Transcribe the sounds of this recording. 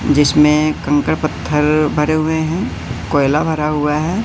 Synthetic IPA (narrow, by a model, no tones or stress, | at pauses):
d͡ʒɪsmẽkɐ̃ŋkəɾpət̪ʰːəɾbʱɐɾeɦʊeɦɛ̃ | koːɪlabʱɐɾaɦʊaɦɛː